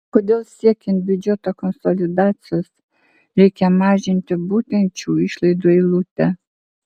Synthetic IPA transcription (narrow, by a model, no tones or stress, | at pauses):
kɔd̪ɛlˠsɛkʲinbyd͡ʒɛt̪akɔnsɔlʲid̪at͡siɔs | ɾɛkʲamaʒinʲt̪əbut̪ɛnt͡ʃuiʃlˠɛd̪ɔilˠut̪ɛ